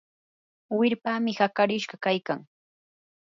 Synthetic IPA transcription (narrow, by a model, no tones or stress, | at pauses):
wɪɾpaːmɪhakaɾɪʃɢɑkajkaŋ